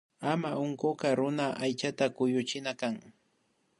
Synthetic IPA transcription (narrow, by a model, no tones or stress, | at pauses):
amaʊŋkokaɾʊnaʔajt͡ʃat̪akʊjʊt͡ʃɪnakaŋ